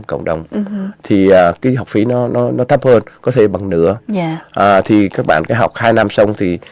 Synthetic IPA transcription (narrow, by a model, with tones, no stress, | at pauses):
kə̰˧˨wŋ͡mɗə˨˩wŋ͡mt̪ʰi˨˩ʔəː˨˩kaː˨˦jɦa˨˩wk͡p̚fi˨˦nɔ˨˦nɔ˨˦nɔ˨˦t̪ʰə˦˥p̚həː˧nkɔ˨˦t̪ʰe˧˩ɓa˨˩ŋnɨ̰˧˥ə˧ʔəː˨˩t̪ʰi˨˩kaː˦˥k̚ɓa̰ː˧˨nkaː˨˦ɦa˨˩wk͡p̚haː˧jna˧msə˧wŋ͡mt̪ʰi˨˩